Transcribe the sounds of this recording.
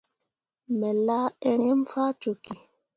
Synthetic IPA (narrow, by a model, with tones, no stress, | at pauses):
mɛ˨la˦ɛ˨ɾɛ˦m˦faː˦to˨ki˨